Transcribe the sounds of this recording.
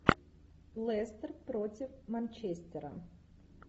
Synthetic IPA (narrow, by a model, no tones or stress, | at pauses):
lˠɛst̪ərpɾotʲɪfmɐnʲt͡ɕesʲtʲɪɾə̰